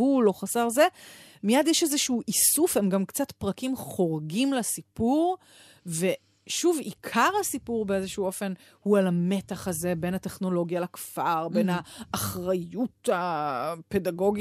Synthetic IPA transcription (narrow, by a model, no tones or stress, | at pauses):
ulo̞χasaʁze̞mijadjeʃezeʃuːʔisufhe̞mɡamkt͡satpʁakimχo̞ʁɡimlasipuʁ | ve̞ | ʃuvikʰaʁhasipuʁbeezeʃuːo̞fe̞n | hualame̞taχaze̞be̞nhate̞χno̞lo̞ɡjalakfaʁbenaːχʁajutape̞daɡo̞ɡi